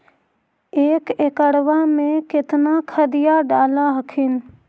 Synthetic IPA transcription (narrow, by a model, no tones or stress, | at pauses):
eːkekəɽʋamẽkɪt̪nakʰəd̪ɪjaɖaːlaɦəkʰɪn